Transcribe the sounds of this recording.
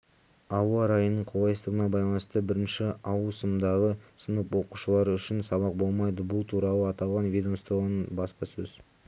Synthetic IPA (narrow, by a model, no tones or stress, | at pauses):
ɑwəɾɑjənːəɴqʰolˠɑjsəst̪əʁənɑbɑjlˠɑnəst̪əbɪɾɪnʃɪɑwəsəmd̪ɑʁəsənəpwo̞quʃəlˠɑɾʏʃɪnsɑβɑq̚bo̞lˠmɑjd̪əbʊlˠt̪ʰuɾɑlˠəɑt̪ɑlˠʁɑnvʲijd̪omst̪ɾonbɑspɑsɵz